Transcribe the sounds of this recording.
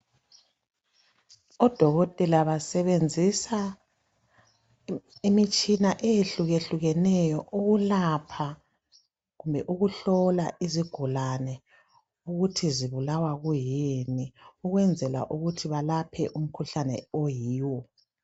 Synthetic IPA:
ɔd̥ʱɔɣɔtʼɛlaβasɛβend͡zʱisa | imit͡ʃʼinaʔɛjeɬuɣeɬuɣɛnɛjɔʔuɣulapʰa | ɣumbʱɛʔuɣuɬɔlaʔiziɡ̥ʱulanɛ | uɣutʰiziβulawaɣujiniuɣwɛnd͡zʱɛla̰ʔuɣutʰiβalapʰɛʔum̩kʰuɬanɛ̰ojiːwɔ

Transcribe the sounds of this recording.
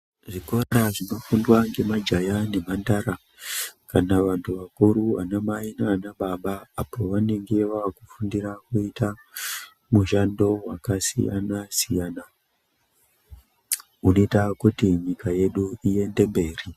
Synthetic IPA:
ʐikoaɾaʐimafundwaŋɡe̞mad͡ʒajane̞mandaɾa | kanaʋantʰuʋakuɾuʋa̰namainaːnaɓaɓaːpo̞ʋane̞ŋɡe̞ʋakufundiɾakuita | muʃando̞wakasḭja̰nasijana | uno̞itakutiɲikaje̞ɗuie̞nde̞mbe̞ːri

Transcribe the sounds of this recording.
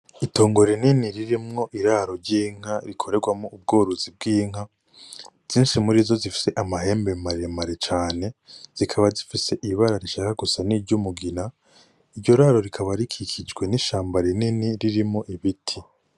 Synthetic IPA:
ito̞ːŋɡo̞ɾininiɾiɾimŋo̞ʔiɾaːɾo̞ɾɟiːŋ̥haɾikʰo̞ɾe̞ɡwamŋoub̚ɡoːɾuzib̚ɡiːŋ̥a | z̥iːnʃimuɾizo̞zifi̥se̞ʔamahe̞ːmbe̞maɾemaɾet͡ʃaːne̞z̥ikʰaβazifise̞ʔiβaɾaɾiʃakaɡusaniːɾɟumuɡina | iɾɟo̞ɾaɾo̞ɾikʰaβaɾikʰikʰid͡ʒɡwe̞niʃaːmbaɾininiɾiɾimŋo̞ʔiβitʰi

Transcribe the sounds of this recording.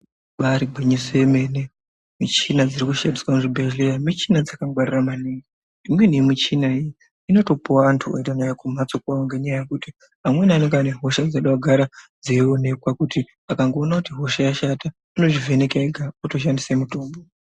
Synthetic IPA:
ɓaɾiɡʱweɲisojeme̞ne | mit͡ʃinad͡zirikuʃadiswamuʐibʱeʒlejamit͡ʃinad͡zakaɡwariramaniŋɡe | imwe̞nijemit͡ʃinaiji | ino̞to̞powaːntʰuoitanajakum̤at͡sokuaŋɡeɲajajekuti | amwe̞naneŋɡaneɦo̞ʃad͡zaɗawaɡʱaɾad͡zeone̞kwakuti | akaŋɡo̞ːnakutiɦo̞ʃajaʃata | ino̞ʐive̞ne̞kaeɡʱauto̞ʃ̬andisemutoːmbo

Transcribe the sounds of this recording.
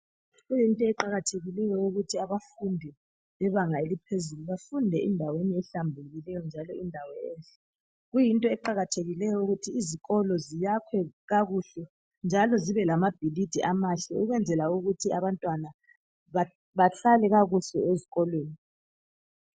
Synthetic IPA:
ɣujintʼɔɛǃaɣatʰeɣilɛjɔuɣutʰiaβafundʱɛ | lɛβaŋaelipʰezuluβafundʱɛʔindʱaweniɛɬambʱuɣilɛjɔnd͡ʒʱalɔindʱawɔɛːnɬɛ̥ | ɣujintʼɔɛǃaɣatʰeɣilɛjɔuɣutʰiːziɣɔlɔzijakʰwɛɣaɣuɬɛ | nd͡ʒʱalɔziβɛlamab̥ʱilid̥ʱiʔamaɬɛuɣwɛnd͡zʱɛlauɣutʰiaβantʼwana | βa | βaɬalɛɣaɣuɬɛeziɣɔlweːni

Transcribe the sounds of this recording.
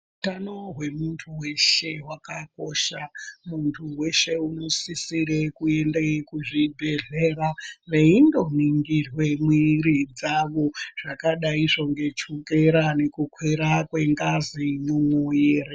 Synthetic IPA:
utano̞ɦwe̞muntʰuwe̞ʃe̞wakakoʃamuntʰuwe̞ʃe̞uno̞sisiɾe̞kue̞ndeikuʐibʱe̞ɮe̞raʋe̞indo̞niŋɡirwe̞mwiɾid͡zaʋo̞ʐ̥akaɗaiʐo̞ŋɡe̞t͡ʃukeɾane̞kukʰweɾakwe̞ŋɡazinumojeːre

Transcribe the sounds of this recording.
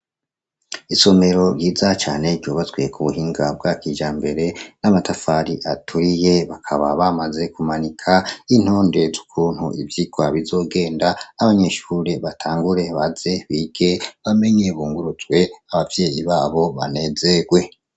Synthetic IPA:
iso̞me̞ɾo̞ɾjiːzat͡ʃa̰ːne̞ɾɟoːβazwe̞kʰuβuɦiːŋɡab̚ɡakiːd͡ʒaːmbe̞ɾe̞namatafaɾiʔatʰuɾije̞βakʰaβaβamaze̞kumanikʰain̥ho̞ːnde̞zu̥kʰuːn̥hṵḭvjiɡ̥waβizo̞ːɡe̞ːndaːβaɲe̞ʃuɾeβatʰaːŋɡuɾe̞βaze̞βiɡ̥e̞βame̞ɲe̞βuːŋɡuɾuzɡwe̞aβavjeːjiβaːβo̞βa̰ne̞zeɡwe̞

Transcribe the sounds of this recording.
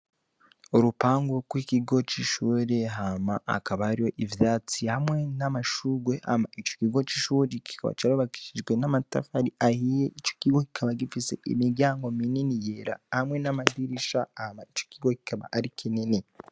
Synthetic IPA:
oɾupaːŋɡoɡwikiɡo̞t͡ʃiʃuːɾeɦamaʔa̰kaβahaɾijo̞ʔivjaːt͡sihamŋe̞namaʃuɡwe̞ʔa̰ma̰it͡ʃokiɡo̞t͡ʃiʃuːɾiki̥kaβa̰t͡ʃaɾoβaki̥ʃiʒɡwenamata̰faɾiʔahijeʔit͡ʃo̥kiɡoki̥kʰaβaɡifise̞̰ʔḭmiɾɟaːŋɡo̞mininijeɾa̰hamŋe̞namadiɾiʃaahamait͡ʃo̥kiɡoki̥kʰaβa̰ʔaɾikʰinene

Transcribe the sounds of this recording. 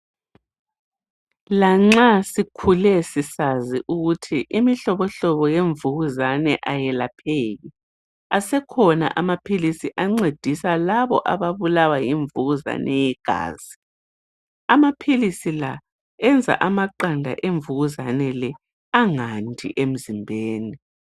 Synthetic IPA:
laŋ͡ǁasikʰulɛsisaziʔuɣutʰiʔimiɬɔβɔɬɔβɔjeɱvuɣuzanɛʔajɛlapʰeːɣi | asɛkʰɔna̰ʔamapʰilisiʔaŋ͡ǀed̥ʱisalaβɔ̰ʔaβaβulawajiɱvuɣuza̰nɛjɛɡ̥ʱa̰ːz̥i | amapʰilisila | ɛnd͡zʱa̰ʔamaǃandʱa̰ʔeɱvuɣuzanɛlɛ | aŋantʼʰḭʔem̩zimbʱeːni

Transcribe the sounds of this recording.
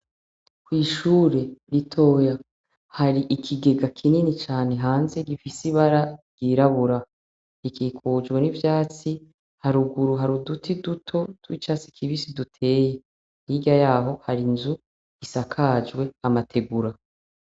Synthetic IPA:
kwiːʃuːɾe̞ɾitʰo̞ːja | haɾiʔikʰiɡe̞ɡakʰininit͡ʃaːne̞ɦaːnze̞ɡifisiβaɾaɾɡ̥iːɾaβuɾa | ikiːkʰud͡ʒɡwe̞nivjaːt͡si | haɾuɡuɾuɦaɾudutidutʰo̞twḭt͡ʃaːt͡si̥kʰiβisidutʰe̞ːje | niɟajaːɦo̞haɾinzu̥ | isakʰaːd͡ʒɡwe̞amatʰe̞ɡuɾa

